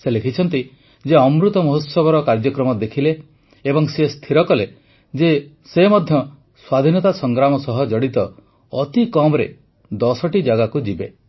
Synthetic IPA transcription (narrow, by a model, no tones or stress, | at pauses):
selekʰit͡ʃʰɔnt̪i | d͡ʒeɔmɾut̪ɔmɔɦutsɔbɔɾɔkaɾd͡ʒɔkɾɔmɔd̪ekʰileː | bɔŋsest̪ʰiɾɔkɔle | d͡ʒe | semɔd̪ʱjɔ | swad̪ʱinɔt̪asɔŋɡɾamɔsɔɦɔd͡ʒɔɽit̪ɔ | ɔt̪ikɔmɔɾḛ | d̪ɔsɔʈid͡ʒaɡakud͡ʒibe